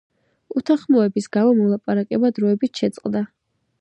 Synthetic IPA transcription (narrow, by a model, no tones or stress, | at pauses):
ut̪ʰaχmɔɛbisɡaɔmɔlˠapʼaɾakʼɛbad̪ɾɔɛbit̪ʃɛt̪sʼqʼd̪a